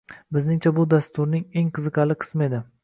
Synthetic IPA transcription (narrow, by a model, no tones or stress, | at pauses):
bɪznɪŋt͡ʃʰabʊd̪ast̪ʊɾnɪŋeŋqʰɨzɨqɑlɪqʰɨ̥sme̞d̪ɪ